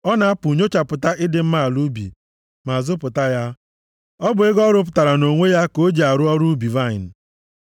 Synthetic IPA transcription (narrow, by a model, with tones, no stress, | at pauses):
ɔ˦na˨˦a˦pu˨ɲo˦t͡ʃa˨pʊ˨ta˦ʔɪ˦dɪ˦m̩˦ma˦a˨lu˦bḭ˨ | ma˨zʊ˦pʊ˨ta˦ja˦ | ɔ˦bʊ˨e˦ɡɔ˦ɾʊ˦p̬ʊ˨ta˨ɾa˨no˨ŋʷe˦ja˦ko˦d͡ʒi˨a˨ɾʊ˦ɔ˦ɾu˦bi˨va˦˨ɪ˨n̩˨